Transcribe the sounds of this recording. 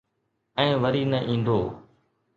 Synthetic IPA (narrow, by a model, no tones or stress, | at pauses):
ɛ̃ːʋəɾiːnəʔĩːn̆d̪oː